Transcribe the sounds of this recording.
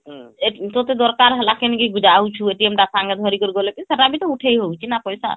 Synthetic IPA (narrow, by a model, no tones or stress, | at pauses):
et̪ɔt̪ed̪ɔɾkaɾɦɛlakeniɡiɡud͡ʒawt͡ʃʰueʈiemʈasaŋɡed̪ʱɔɾikoɾiɡolepisaʈabit̪ɔuʈʰejɦowt͡ʃʰinapɔjsa̰